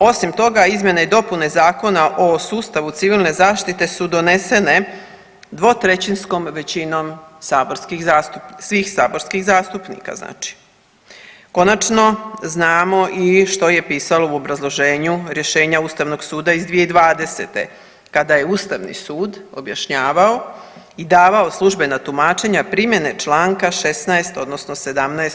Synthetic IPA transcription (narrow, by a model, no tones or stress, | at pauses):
o̞simt̪o̞ɡaizmʲjeneid̪o̞pune̞zaːko̞naʔosuːst̪aʋut̪siʋilˠne̞zaːʃt̪it̪e̞sud̪o̞ne̞se̞ne̞ | d̪ʋo̞t̪ɾe̞t͡ɕinsko̞mʋe̞t͡ɕino̞msaːboɾskixzaːst̪upsʋixsaːbo̞ɾskixzaːst̪upnḭka̰zna̰ːt͡ʃi̥ | ko̞nat͡ʃno̞znaːmo̞ʔiʃt̪o̞je̞piːsalo̞uo̞bɾazlˠo̞ʒe̞ːɲuɾje̞ʃe̞ːɲauːst̪aʋno̞ɡsuːd̪aizd̪ʋijeid̪ʋaːd̪e̞set̪e̞̰ | kad̪aje̞uːst̪aʋnḭsuːd̪o̞bjaʃɲaːʋao̞ | id̪aːʋaoslˠuʒbe̞nat̪umaːt͡ʃe̞ɲapɾimje̞ne̞t͡ʃlˠaːŋkaʃesnaest̪o̞d̪nosnose̞d̪amnaes